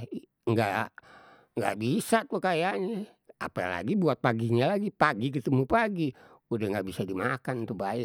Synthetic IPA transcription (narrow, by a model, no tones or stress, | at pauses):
ŋɡa | ŋɡa̰ʔbisat̪ukajaʔɲa | a̰pala̰ɡibuat̪̚paɡiɲalaɡipaɡik̬ət̪əmupaɡi | udaŋɡaʔbisadimakant̪ubaɛ